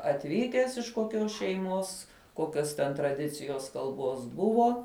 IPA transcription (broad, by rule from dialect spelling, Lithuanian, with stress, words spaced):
ɐtʲˈʋʲiːkʲæːs ɪʃ koːˈkʲoːs ʃʲɛɪˈmoːs ˈkoːkʲoːs tʲɛn trɐˈdʲɪt͡sʲɪjoːs kɐlˠˈboːs ˈbʊʋoː